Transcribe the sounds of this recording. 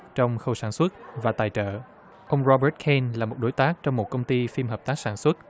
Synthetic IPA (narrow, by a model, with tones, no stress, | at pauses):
t͡ɕɔ˧wŋ͡mxə˧wsaː˧˩nswə˦˥t̚vaː˨˩t̪aː˨˩jt͡ɕə̰ː˧˨ | ʔə˧wŋ͡mɹɔ˧ɓəː˦˥t̚kʰe˧nlaː˨˩mo˨˩t̚ɗo˨˦jt̪aː˦˥k̚t͡ɕɔ˧wŋ͡mmo˨˩t̚kə˧wŋ͡mt̪i˧fi˧mɦəː˨˩p̚t̪aː˦˥k̚saː˧˩nswə˦˥t̚